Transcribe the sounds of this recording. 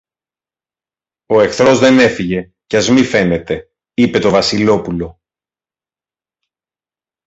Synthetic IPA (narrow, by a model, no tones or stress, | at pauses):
o̞e̞xθɾo̞zðe̞ne̞fiʝe̞ | cɐzmife̞ne̞t̪e̞ | ipe̞t̪o̞vɐsilo̞pulo̞